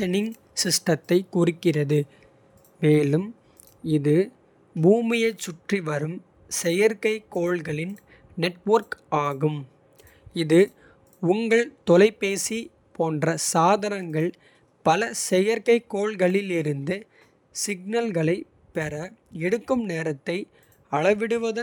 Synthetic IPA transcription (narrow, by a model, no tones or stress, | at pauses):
ɛnɪŋ | sɪsʈɐt̪ːɐɪkːʊrɯkːɪrɐðɯ | meːlɯm | ɪðɯ | buːmɪjɐt͡ʃːʊʈriʋɐɾɯm | sɛjɐɾkɐɪkːoːɭɣɐɭɪn | nɛʈʋɐɾkaːɣɯm | ɪðɯ | ʊŋɡɐɭt̪ɔlɐɪpeːsi | poːndrɐsaːðɐnɐŋɡɐɭ | pɐlɐsɛjɐɾkɐɪkːoːɭɣɐɭɪlɪɾɯnd̪ɯ | sɪɡ̚nɐlɣɐɭɐɪ | pɛɾɐɛɽɯkːɯmneːɾɐt̪ːɐɪ | ɐɭɐʋɪɽɯʋɐðɯ